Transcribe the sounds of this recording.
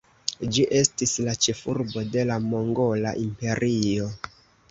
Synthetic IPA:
d͡ʒiʔe̞stislat͡ʃefuɾbo̞de̞lamo̞ŋɡo̞la̰ʔimpe̞ɾʔio̞

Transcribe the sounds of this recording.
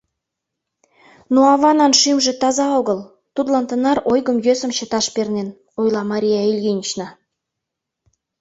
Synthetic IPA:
noɑβɑnɑnʃimʒĕt̪ɑzɑoɣə̆l | t̪ud̪lɑnt̪ə̆nɑɾojɣəmjøsə̆mt͡ɕə̆t̪ɑʃpernen | ojlˠɑmɑɾʲijɑilʲɣʲinʲit͡ɕnɑ

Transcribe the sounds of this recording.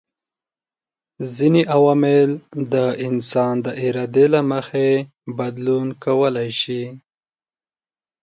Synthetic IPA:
zineʔawɑmɪld̪əʔɪnsɑnd̪əʔɪɾɑd̪elaməxe | bad̪lunkawəlajʃi

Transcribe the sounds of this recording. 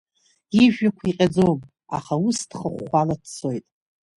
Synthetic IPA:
iʒᶣakʷʰiqʲʼad͡zowm | a̰χaustʰχəχːʷaladʰt͡sʰo̞jtʼ

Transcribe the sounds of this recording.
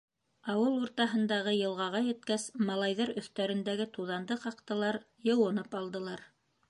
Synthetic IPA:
ɑwɤlˠuɾt̪ɑɦɤ̆nd̪ɑʁɤjɤ̆lˠʁɑʁɑjɘ̆t̪̚kæsmɑlˠɑjðɑɾɵ̆θt̪æɾɘ̆nd̪æɡɘt̪uðɑnd̪ɤqɑqt̪ɤ̆lˠɑɾ | jɤ̆wɤ̆nɤpɑlˠd̪ɤ̆lˠɑɾ

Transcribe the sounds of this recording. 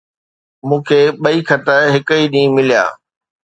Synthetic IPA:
mũːkʰeːɓɐikʰɐt̪əɦɪkəiːɗĩːmɪlija̰ː

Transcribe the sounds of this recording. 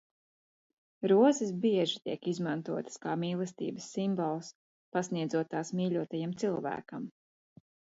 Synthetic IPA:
ɾuɔzis̬biɛʒit̪iɛkizmant̪uɔt̪ə̥skaːmiːlˠɛst̪ḭːbəsːimbɔlˠs | pasniɛd̪zuɔt̪aːsmiːlʲuɔt̪ajamt̪silˠvæ̰ːkam

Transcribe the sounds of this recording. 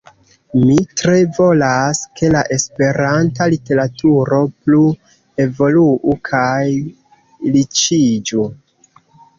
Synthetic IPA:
mitɾe̞vo̞laske̞laʔe̞spe̞ɾantalite̞ɾatuɾo̞plu | e̞vo̞luʔukʰaj | lit͡ʃid͡ʒu

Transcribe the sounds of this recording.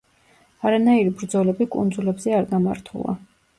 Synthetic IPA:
aɾanaiɾibɾd̪zɔlɛbikʼṵnd̪zulɛbzɛaɾɡamaɾt̪ʰṵlˠa̰

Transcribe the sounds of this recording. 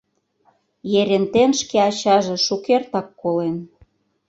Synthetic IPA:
jeɾʲent̪enʃkeɑt͡ɕɑʒĕʃukert̪ɑkːolen

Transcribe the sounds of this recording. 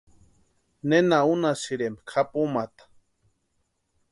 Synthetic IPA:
nenaunasiɾemkʰapumat̪ḁ

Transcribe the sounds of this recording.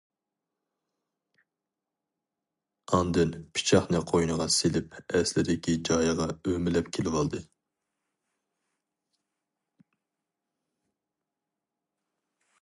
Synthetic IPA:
ɑnd̪ɨnpʰi̥t͡ʃʰɑχnɨqʰojnəʁɑselɪpɛslɪd̪ɪkʲʰid͡ʒɑːjʁɑømɪlɛpkʲʰelɪwɑlˠd̪ɨ

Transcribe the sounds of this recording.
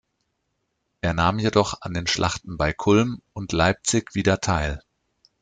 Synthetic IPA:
ʔeːɐnaːmjedɔχa̰ndeːnʃlʔa̰χtn̩baɪkʰʊlmʔʊntlaɪp̚t͡sɪçv̥iːdɐtʰaɪl

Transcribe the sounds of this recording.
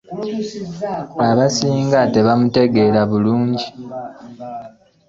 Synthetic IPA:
aβasiːŋɡate̞βamute̞ɡe̞ːlaβuluːɲɟi

